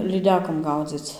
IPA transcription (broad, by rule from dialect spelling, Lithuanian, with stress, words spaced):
lʲiːˈdʲæːkoːm ˈɡɐʊd͡zʲɪt͡s